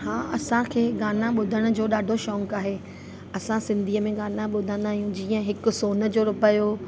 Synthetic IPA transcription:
hãːɐsãkʰeːɡaːnãɓʊd̪ʱəɽ̃ʊ̆d͡ʑoːɗaːɖʱoʃɔ̃ːŋkaːɦeː | ɐsãsɪ̃nd̪ʱiːəmẽɡaːnãɓʊd̪ʱə̃nd̪aːɦijũd͡ʑiːə̃ɦɪkʊ̆soːnə̆d͡ʑoːɾʊpəjoː

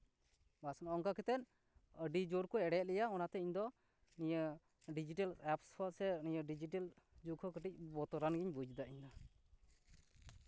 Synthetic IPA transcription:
basənɔŋkakɛt̪ɛn̚ | əɖid͡ʒoɾkɔɛɽɛt̪̚lɛjaɔnat̪ɛiɲd̪ɔ | nijə | ɖid͡ʒiʈalɛpspʰɔsɛniɲəɖid͡ʒiʈɛld͡ʒukʰɔkəʈic̚bɔt̪ɔɾanɡiɲbud͡ʒd̪aʔiɲd̪a

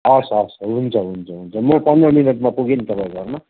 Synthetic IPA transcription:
ʌsʌsɦunt͡sʰʌɦunt͡sʰʌɦunt͡sʰʌmopʌnd̪rʌminʌʈmapuɡenit̪ʌpãĩɡʌrna

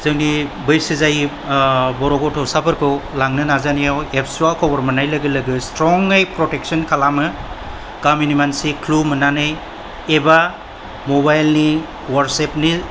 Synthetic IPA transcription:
zɯŋnibɯjsizaj | bɔɾɔɡɔtʰɔwsabɯɾkʰɯlaŋnɯnazanijawepʰsuakʰɔbɐɾmɐnajlɐɡɯlɐɡɯstɾɔŋejpɾotek̚sɔnkʰalamɯ | ɡ̥aminimansikʰlumɯnanɯj | eba | mobajlni | waɾsepni

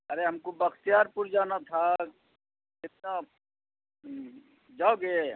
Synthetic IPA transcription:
əɾeɦəmkobəkʰt̪ijaɾpuɾd͡ʒaːnat̪ʰa | ɪt̪na | d͡ʒaoɡe

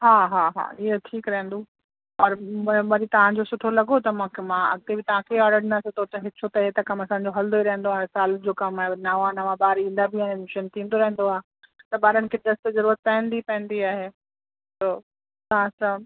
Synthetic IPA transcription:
ɦaːɦaːɦa̰ːɪɦeʈʰiːkɾɐɦɪ̃n̆d̪o | ɔːɾʋɐɾit̪ɐʋ̤ãd͡ʑosʊʈʰolɐɡot̪ɐmãkʰemãɐ̰ɡ̚t̪ebɪt̪ɐʋ̤ãkʰeaːɖəɽnɐsɪt̪ʰot͡ɕɐɦɪt͡ɕʰot̪ɐɦet̪ɐkɐmɐsãːɲ̆d͡ʑoɦɐld̪oiɾɐɦɪ̃n̆d̪oaːɦesaːld͡ʑoːkɐamnaːʋaːnəmãbaːɾĩːnd̪abʱɪãemʃənt̪ʰĩːn̆d̪oɾɐɦə̃nd̪oaːɦe | t̪ɐɓaːɾənɪ̆kʰeɖɐst̪zɐɾuːɾət̪̚pɐ̃ːə̃nd̪ipɐ̃ɦɪ̃nd̪iaːɦe | t̪oː | t̪ɐʋ̤ãsã

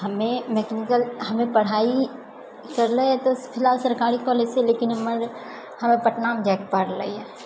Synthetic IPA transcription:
hɐmẽmeknɪkəlɦɐmẽpɐɽ̤aːi | kɐɾleɛ̃t̪opʰɪlaːlsɐɾkaːɾikɔːleːseleːkɪnɦməɾ | hɐmẽpɐʈnaːmd͡ʒɛːk̚paɾlɐ̰iɛː

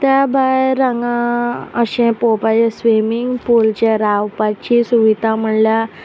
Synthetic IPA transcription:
t̪jabʱaɾəŋɡãəɕẽpopat͡ɕesʋimiŋɡpult͡ɕeɾawpat͡ɕisuʋit̪am̤əɳlja

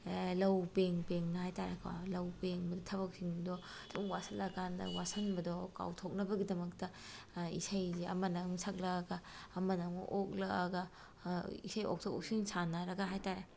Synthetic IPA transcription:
lɐwpeŋpeŋnɐhajtaɾekʰwa̰lɐwpeŋbɐdɔtʰɐβɐk̚siŋdɔ | duŋwasɐlɐkʰandɐ̰wasɐnbɐdɔka̰wtʰok̚nɐbɐɡidɐmɐk̚tɐ | ḭsajziɐ̰mɐnɐŋmsak̚lɐɡɐːmɐnɐŋ̰ʔok̚lɐːɡɐ | ḭsajo̰k̚tʰokok̚siŋsanɐɾɐɡɐɦajtaɾe

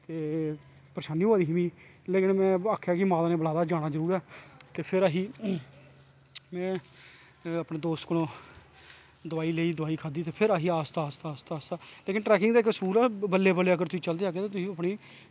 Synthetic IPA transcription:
t̪eː | pəɾəʃaːniːoaːd̪iːɦmĩː | leːkɪnmɛ̃ːaːkʰːjaːkɪmaːd̪aːnẽːbəlaːd̪aːd͡ʒaːɽ̃aːzəɾuːɾɛːt̪eːpʰɪɾaːɦiː | mɛ̃ː | əpɳẽːd̪oːst̪kəlõː | d̪ʊaːiːleːiːd̪əaːiːkʰaːd̪iːt̪eːpʰɪɾaːɦiːaːst̪aːst̪aːst̪aaːst̪aːleːkɪnʈɾɛːkɪ̃ŋɡd̪aːɪkəsuːɾɛːbəlːeːbəlːeːəɡəɾt̪ʊiːt͡ʃəld̪eːaːɡeːt̪eːt̪ʊsĩəpniː

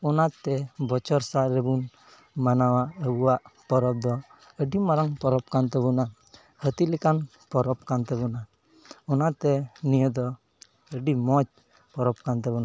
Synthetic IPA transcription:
ɔnat̪ɛbɔt͡ʃɔɾsaʔɾɛbun | manawaʔəbuwaʔpɔɾɔp̚d̪ɔ | əɖimaɾaŋpɔɾɔp̚kant̪ɛβɔna | hət̪ilɛkan | pɔɾɔp̚kant̪ɛbɔna | ɔnat̪ɛnijəd̪ɔ | əɖimɔd͡ʒ | pɔɾɔp̚kant̪ɛbɔna

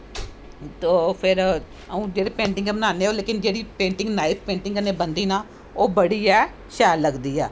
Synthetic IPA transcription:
t̪oːpʰɪɾ | əũːd͡ʒeːɽeːpẽːɳʈɪ̃ŋɡɛːbənaːneːoːleːkɪnd͡ʒeːɽiːpẽːɳʈɪ̃ŋɡnaːɪp̚pẽːɳʈɪ̃ŋɡəneːbənd̪iːnaː | oːbəɽiːɛː | ʃɛːlːəɡd̪iːɛː

